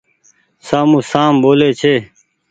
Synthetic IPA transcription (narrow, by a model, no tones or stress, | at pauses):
saːmũːsaːmboːleːt͡ʃʰeː